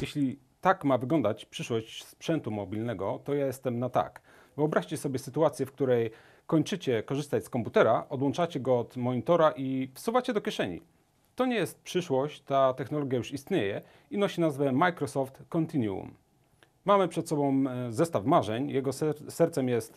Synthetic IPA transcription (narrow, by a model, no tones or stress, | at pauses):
jɛɕlʲi | t̪akmavɘɡlɔnd̪at͡ɕpʂɘʂwɔɕt͡ɕspʂɛnt̪umɔbʲilnɛɡɔt̪ɔjajɛst̪ɛmnat̪a̰k | vɨɔbɾaɕt͡ɕɛsɔbʲjɛsɘt̪uat̪sʲjɛfk̚t̪uɾɛj | kɔɲt͡ʂɘt͡ɕɛkɔʐɘst̪at͡ɕskɔmput̪ɛɾaʔɔd̪wɔnt͡ʂat͡ɕɛɡɔɔt̪mɔɲit̪ɔɾaʔifsuvat͡ɕɛd̪ɔkʲjɛʂɛɲḭ | t̪ɔɲɛjɛst̪̚pʂɘʂwɔɕt͡ɕt̪at̪ɛxnɔlɔɡʲjajuʂist̪ɲejɛ | inɔɕinazvɛmajkɾɔsɔft̪kɔnt̪iɲuṵmː | amɘpʂɛt̪sɔbɔ̃w̃zɛst̪afmaʐɛɲjɛɡɔsɛɾt̪sɛmjɛst̪